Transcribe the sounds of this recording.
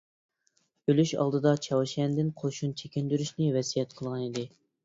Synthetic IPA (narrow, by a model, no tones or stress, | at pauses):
ølyʃɑ̰lˠd̪ɨd̪ɑt͡ʃʰɑwʃɛnd̪ɪnqʰoʃunt͡ʃʰekʲɪnd̪yɾyʃnɪvɛsijɛt̪̚qʰəlˠʁɑnid̪ɪ